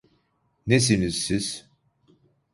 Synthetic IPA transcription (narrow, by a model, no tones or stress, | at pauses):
nes̬inizːiz̥